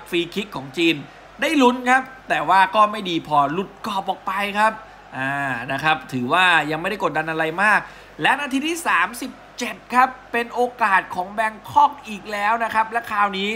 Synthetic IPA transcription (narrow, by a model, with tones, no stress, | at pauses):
fiː˧kʰi˦˥kkʰːɔː˩˦ŋt͡ɕiː˧n | daː˥˩jlu˦˥nkʰa˦˥p̚t̪ɛː˨˩waː˥˩kɔː˥˩ma˥˩jdiː˧pʰɔː˧lu˨˩t̪̚kɔː˨˩p̚ʔɔː˨˩k̚pa˧jkʰa˦˥p̚ | ʔaː˧˩na˦˥kʰɾa˦˥p̚t̪ʰɯː˩˦waː˥˩ja˧ŋma˥˩jda˥˩ko˨˩t̪̚da˧nʔa˧ɾa˧jmaː˥˩k̚ | lɛ˦˥ʔna˧t̪ʰi˦˥t̪ʰiː˥˩saː˩˦msi˨˩p̚t͡ɕe˨˩t̪̚kʰa˦˥pːe˧nʔoː˧kaː˨˩t̪̚kʰɔː˩˦ŋbɛ˧ŋkʰɔ˥˩k̚ʔiː˨˩k̚lɛː˦˥wna˦˥kʰa˦˥p̚lɛ˦˥kʰaː˧˩wniː˦˥